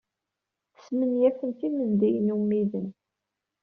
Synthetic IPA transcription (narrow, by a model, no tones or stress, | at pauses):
θə̥smənjæθənθimənd̪ijnumːiðən